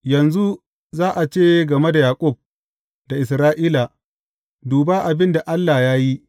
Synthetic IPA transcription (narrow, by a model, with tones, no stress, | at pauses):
jɐ˨nzu˦ | zaː˦ʔa˨t͡ʃeː˦ɡɐ˨me˦da˨jaː˨kʷʼʊ˦˨b̚ | da˨ʔɪ˨sɾaː˦ʔiː˦la˨ | duː˨ba˦ʔa˨bɪ˦nda˨ʔa˦lːa˨jaː˦ji˦